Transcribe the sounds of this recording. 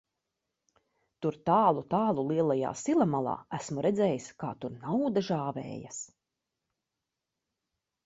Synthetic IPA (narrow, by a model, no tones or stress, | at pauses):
t̪uɾt̪aːlˠut̪aːlˠulˠiɛlˠaja̰ːsilˠamalˠɑ̰ːæsmuɾɛdzɛːjiskaːt̪uɾnawd̪aʒaːvɛ̰ːja̰s